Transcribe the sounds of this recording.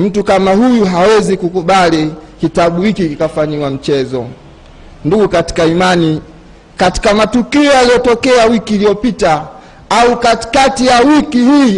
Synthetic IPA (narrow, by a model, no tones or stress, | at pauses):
m̩tukamahujuɦawɛzikukuɓalikitaɓuhikikikafaɲiwam̩t͡ʃɛzɔ̰ | nduɡukati̥kaimani | kati̥kamatukiɔjalijɔtɔkɛawikiːliɔpita | aukati̥katijawikihiː